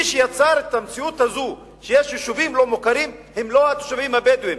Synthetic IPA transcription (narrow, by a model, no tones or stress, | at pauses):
iʃejat͡saɾet̪amt͡siut̪hazu | ʃejeʃjiʃuvimlo̞mukaʁimhemlo̞at̪o̥ʃavimabed̪uhem